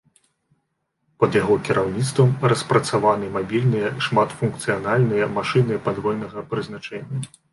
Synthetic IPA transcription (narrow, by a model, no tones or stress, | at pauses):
pɐd̪jaɣɔkʲiɾʔawnʲit̪st̪vɐmrɐspɾɐt̪savanɨmabʲilʲnɨjɐʂmat̪funk̚t̪sɨjanalʲnɨjɐmaʂɨnɨpad̪vɔjnɐɣɐpɾɨznat͡ʂɛnʲːɐ